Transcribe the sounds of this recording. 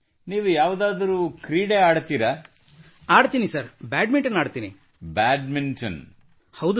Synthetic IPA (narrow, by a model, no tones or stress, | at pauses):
niːʋujaːʋd̪aːd̪ɐɾuːkɾiːɽeaːɽt̪iːɾa | aːɽt̪iːnisɐɾbaːɖmiɳʈɐnaːɖt̪iːnḭ | baːɖmiɳʈɐn | hɐwd̪u